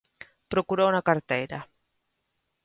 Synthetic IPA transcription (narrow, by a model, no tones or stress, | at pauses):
pɾokuɾaunakaɾt̪ejɾa̰